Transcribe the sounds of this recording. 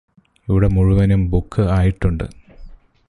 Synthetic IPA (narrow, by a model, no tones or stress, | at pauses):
iʋiɽe̞muɻuʋɐnumbukʰːɨaːjiʈːuɳɖɨ̰